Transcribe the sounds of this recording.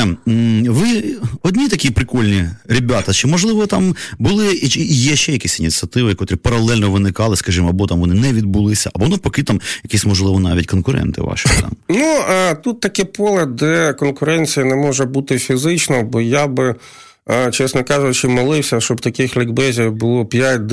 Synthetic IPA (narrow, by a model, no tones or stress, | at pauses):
ʋɪɔdʲnʲit̪ɐkʲipɾɪkɔlʲnʲiɾʲɪbʲat̪ɐt͡ʃɪmɔʒlˠɪʋɔt̪ɑmbʊlˠɪt͡ʃijɛʃɛjɐkʲisʲinʲit̪t͡sʲiɐt̪ɪʋɪkɔt̪ɔɾɪpɐɾɐlˠɛlʲnɔʋɪnɪkɑlˠɪskɐʒimɔɐbɔt̪amʋɔnɪnɛʋʲid̪̚bulˠɪsʲɐ̰ʔɐbɔnʊpɔkɪt̪ɑmjɐkʲisʲmɔʒlˠɪʋɔnɑ̰ʋʲitʲkɔnkʊɾɛ̰nt̪ɪ̰ʋɑ̰ʃɪt̪ɑ̰mnut̪ut̪ːɐkʲɪpɔlˠɐd̪ɛkɔnkʊɾɛnʲt͡sʲijɐnɛmɔʒɛbut̪ɪfʲizɪt͡ʃnɐbɔjabɪ | t͡ʃɛsnɔkɑʒʊt͡ʃɪmɔlˠɪwsʲɐʃt͡ʃɔbt̪ɐkɪxlʲɪɡbɛzʲiwbʊlˠɔpʲjat̚ʲd̪